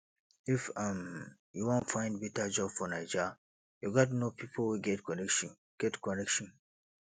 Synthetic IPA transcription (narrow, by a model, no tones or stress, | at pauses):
ifãm | juwɔ̃ntfãɪ̃nd̚bɛtad͡ʒɔb̥fɔnaɪd͡ʒa | juɡɔt̬nopʰipʰolwiɡɛtkɔnɛkʃ | ɡ̥ɛtkɔnɛkʃɔ̃n